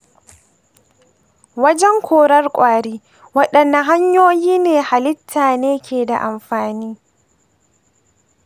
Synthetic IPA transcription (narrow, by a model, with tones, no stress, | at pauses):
wɐ˦d͡ʒɛ˦ŋkʰʷoː˨ɾɐ˦rkʷʼaː˨ɽiː˦ | wɐ˦ɗɐ˨nːa˨ɦa˦ɲjoː˦jiː˦neː˨ha˨lɪ˦tʰːaː˨neː˦kʲeː˨da̰˨ʔa˨mɸaː˨niː˦